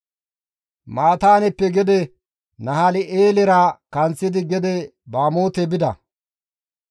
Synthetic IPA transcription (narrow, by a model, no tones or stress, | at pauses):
maːt̪aːnɛpːɛɡɛd̪ɛ | nɐhalɪʔeːlɛɾakɐnt͡sːɪd̪ɪɡɛd̪ɛ | baːmo̞ːt̪ɛbɪd̪ɐ̰